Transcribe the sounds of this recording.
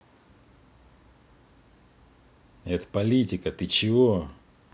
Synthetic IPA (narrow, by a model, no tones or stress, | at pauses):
ɛt̪ə̥pɐlʲitʲɪkət̪ɨt͡ɕɪvo